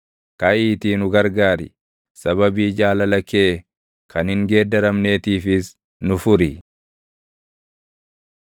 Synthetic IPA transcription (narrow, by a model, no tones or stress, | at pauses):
kɐʔiːt̪iːnʊɡɐɾɡaːɾɪ̰ | sɐβɐbiːd͡ʒaːlɐlɐkeː | kʰɐnhɪŋɡe̞ːd̪ːɐɾɐmne̞ːt̪iːfɪs | nʊfʊɾɪ